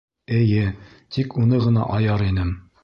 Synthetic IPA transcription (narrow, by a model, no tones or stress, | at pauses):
ɘ̆jɘ | t̪ikunɤʁɤ̆nɑ̰ʔɑjɑɾinɘm